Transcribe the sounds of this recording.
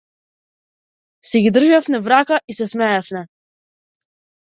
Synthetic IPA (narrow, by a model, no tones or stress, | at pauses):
sɛɡid̪r̩ʒafnɛvɾakaʔisɛsmɛɛfnɛ